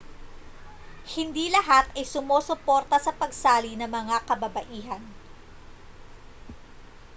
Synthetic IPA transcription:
hɪnd̪iːlɐɦat̪ɐjsʊmoːsʊpo̞ːɾt̪ɐsɐpɐɡsaːlinɐmɐŋakɐbɐbɐʔiːɦɐn

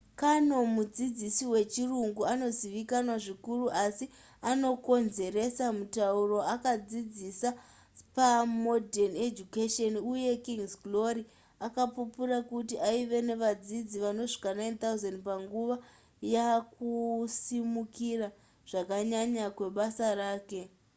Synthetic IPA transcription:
kano̞mud͡zid͡zisiwe̞t͡ʃiruŋɡuano̞ziʋikanwaʐikuruʔasi | ano̞ko̞nze̞ɾe̞samutauro̞akad͡zid͡zisa | pamodened͡ʒukeʃonuje̞kiŋsklo̞ɾi | akapupurakutiʔaiʋe̞ne̞ʋad͡zid͡ziʋano̞ʐi̥kanaint̪auzendpaŋɡuʋa | jakusimukira | ʐ̥akaɲaɲakwe̞ɓasaraːke̞

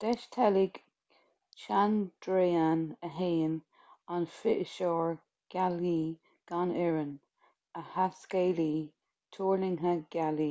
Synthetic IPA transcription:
d̥ɛʃtʰɛlɪɡ | t͡ʃand̥ɾeːanəɦeːən | anfɪʔəʃɔːɹ | ɡ̥aliː | ɡ̥anɛɹən | əhaskeːliː | tʰuːɹlɪŋɦəɡ̥aliː

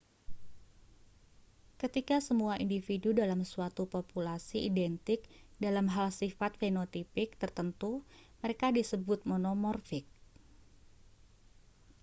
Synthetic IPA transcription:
kət̪ikasəmuaʔindifidudalamsuat̪upopulasiidɛnt̪ɪk̚dalamɦalsifat̪̚fenot̪ipɪk̚t̪ərt̪ənt̪uməɾekadisəbʊt̪̚monomɔrfɪk̚

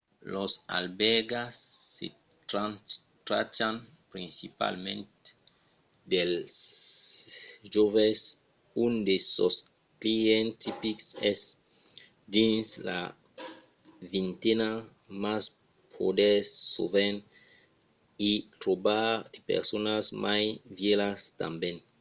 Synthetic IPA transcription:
losa̰lbɛɡasːḛ | t̪ɾanst̪ɾa̰t͡ʃan | pɾĩnsipa̰lmẽnt̪ | d̪el | ʒoves | und̪esos | kliɛnt̪ipiksɛs | d̪insla̰ | vint̪ena | mas | pʰod̪esːo̰ven | it̪ɾobaɾepḛɾsonasmʔajvjelast̪a̰mben

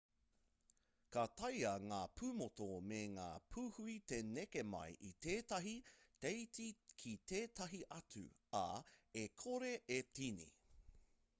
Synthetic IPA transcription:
kɐtɐjɐŋaːpʰumotomeŋa̰ːpʰuhuit̪enekemɐ̰jʔit̪eːtɐɦit̪ejt͡sikʰit̪eːt̪ɐɦiʔɐt͡sʉ̰ | ɐ̰ekʰoɾe̞ʔetinḭ

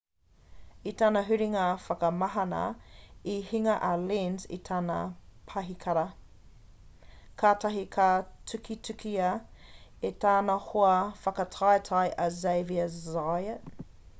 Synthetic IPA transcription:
itaːnɐɦʉɾiŋaːfɐkɐmɐɦɐnɐ̰ihiŋɐʔɐlinzḭtʰaːnɐ̰pʰɐɦikʰɐɾɐ | kʰaːtɐɦikʰatʰʉkʰitʰʉkʰiɐ | etʰaːnɐhoɐfɐkɐtʰajtʰɐjʔɐzejviɐzajə

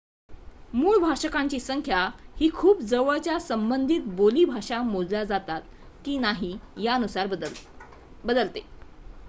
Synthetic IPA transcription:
muːɭbʱaʂəkaɲt͡ɕiːsəŋkʰjahiːkʰuːpd͡zəʋəɭt͡ɕjasəmbənd̪ʱiːt̪boliːbʱaʂamod͡zljad͡zat̪at̪̚ | kiːnaɦijaənusaɾ | bəd̪əlt̪e

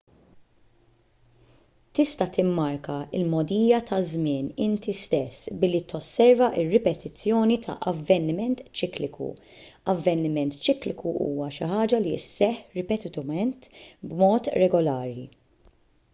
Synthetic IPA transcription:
t̪ɪst̪ɐt̪ɪmːɐɾkɐɪ̰lmɔd̪iːjɐt̪ɐzmɪːnɪnt̪ist̪ɛsːbɪlːit̪ɔsːɛɾvɐʔɪrːɪpɛt̪ɪt͡sːjɔːnit̪ʰɐ̰ʔɐvːɛnːɪmɛnt̪t͡ʃɪklɪkṵ | ɐvːɛnːɪmɛnt̪t͡ʃɪːklɪkuʔṵːwɐʃɪħɐːd͡ʒɐlḭsːɛħɾɪpɛt̪ɪt̪ɐmɛnt̪bmɔːt̪ɾɛɡɔlɐːɾi

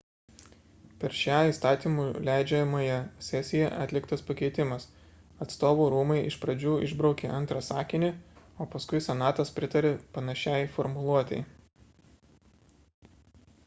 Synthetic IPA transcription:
pʲɛɾʃʲæːiːst̪ɑːt̪ʲiːmuːlʲæɪd͡ʒʲɛmɐjɛsʲɛsʲɪjɛʔɐt̪ʲlʲɪkt̪ɐspɐkʲɛɪt̪ʲɪmɐs | ɐt̪st̪oːʋuːɾuːmɐɪʔɪʃpɾɐd͡ʒʲuːɪ̰ʒbɾɒʊkʲeʔɐnt̪ɾɐsɑːkʲɪnʲɪoːpɐskʊɪsʲɛnɑːt̪ɐspʲɾʲɪt̪ɐɾʲepɐnɐʃʲæˑɪfɔɾmʊlˠuɔt̪ʲɛɪ

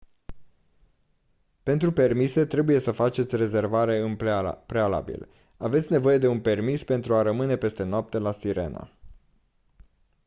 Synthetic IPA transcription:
pe̞nt̪ɾupe̞rmise̞t̪ɾe̞buje̞səfat͡ʃe̞t̪sʲre̞ze̞rvaɾe̞ɨmpɾe̞ala̰bḭl | ave̞t̪sʲne̞vo̞je̞d̪e̞unpe̞rmispe̞nt̪ɾuaɾəmɨne̞pe̞st̪e̞noap̚t̪e̞lasiɾe̞̰na̰

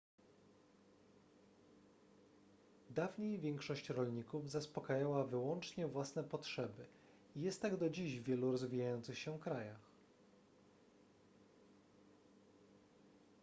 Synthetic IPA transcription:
d̪avɲejvʲjɛŋkʂɔɕt͡ɕɾɔlɲikuvzaspɔkajawavɘwɔnt͡ʂɲɛvwasnɛpɔtʂɛbɘ | ijɛst̪ːaɡd̪ɔd͡ʑiʑvʲjɛluɾɔzvʲijajɔnt̪sɘxɕɛfkɾajax

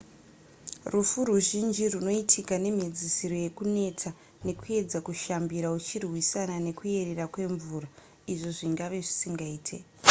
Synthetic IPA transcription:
rufuɾuʒind͡ʒiruno̞itʰikane̞m̤ed͡zisiɾo̞je̞kune̞t͡sa | ne̞kue̞d͡zakuʃambiɾaut͡ʃirwisanane̞kue̞re̞rakwe̞ɱvuːɾa | iʐoʐiŋɡaʋe̞ʐisiŋɡaiːtʰḛ

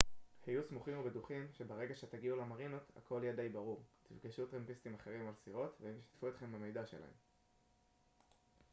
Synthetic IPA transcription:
hajusmuχimubeduχimʃe̞baʁe̞ɡaʃe̞t̪aɡiulemaʁinot̪a̰kʰo̞liad̪ajbaʁuʁt̪ivɡiʃut̪ʁempist̪imaχe̞ʁimalsiʁo̞t̪veemʃḁttfuet̪χe̞mbeme̞jdaʃe̞̰la̰hḛm

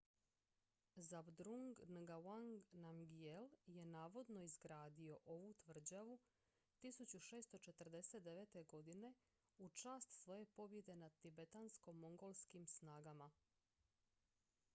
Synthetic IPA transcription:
zabd̪ɾuŋɡnɡawaŋɡnamɡielje̞naːʋo̞d̪no̞izɡɾaːd̪io̞ʔo̞ʋut̪ʋr̩d͡ʑaʋu | t̪isut͡ɕuʃe̞ːst̪o̞t͡ʃe̞t̪ərd̪e̞set̪̚d̪e̞ʋeːt̪e̞ɡo̞d̪ine̞ | ut͡ʃaːst̪sʋo̞je̞po̞bje̞d̪e̞nat̪ibe̞t̪ansko̞mo̞ŋɡo̞lskimsnaːɡama

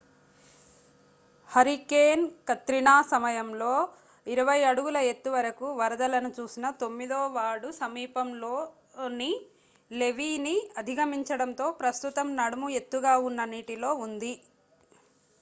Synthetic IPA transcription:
hɐɾikeːnkɐt̪ɾiɳaːsɐmɐjɐmlo̞ː | iɾɐʋɐjɐɽuɡulɐe̞t̪ːuʋɐɾɐkuʋɐɾɐd̪ɐlɐnut͡ʃuːsinɐt̪o̞mːid̪oːʋaːɽusɐmiːpɐmloː | ni | le̞ʋiːniɐd̪ʱiɡɐmiɲt͡ʃɐɽɐnt̪o̞ːpɾɐst̪ut̪ɐmnɐɽɐmue̞t̪ːuɡaːunːɐniːʈilo̞ːund̪i

